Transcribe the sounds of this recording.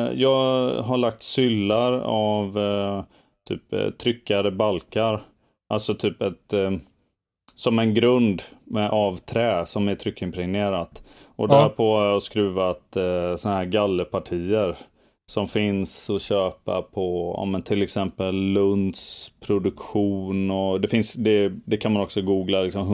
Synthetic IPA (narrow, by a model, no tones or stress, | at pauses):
jɑːɡɦaɭak̚t̪sʏlːaɾav | t̪ʰy̰ːpt̪ʰɾʏkːaɾəbalkaɾ | ʔalt̪sɔt̪ʰyːpɛt̪ | sɔmɛnɡɾɵnd̪mɛʔɑːvt̪ʰɾɛːsɔmæʈ̪ʰɾʏkːɪmpʰɾɪŋneːɾat̪ɔd̪æɾpʰɔhaɾjɑskɾʉ̟ːvat̪sɔnaɦæːɾɡalːəpʰaʈʰiːəɾ | sɔmfɪnsɔɕøːpa̰pʰɔɑ̰ːmɛnt̪ʰɪlɛksɛmpəlːɵnd̪spʰɾʊd̪ɵkɧuːnɔd̪ɛfɪnsd̪ɛd̪ɛkʰanmanɔksɔɡuːɡlalɪksɔmɦ